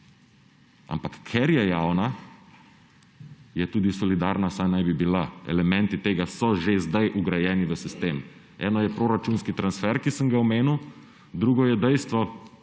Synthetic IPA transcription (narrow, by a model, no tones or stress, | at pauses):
a̰mpakːʰɛɾjɛjawna | jɛt̪uːd̪isɔlid̪aːɾnasajnajbibilaɛ̰lɛmɛ̃nt̪it̪eːɡasɔʒezd̪ajʔuɡɾajɛːniʋəsist̪eːm | ɛ̰ːnɔjɛpɾoɾat͡ʃunskit̪ɾansfɛɾkisəmɡaɔmeːnuw | d̪ɾuɡɔjɛd̪ɛjst̪ʋɔ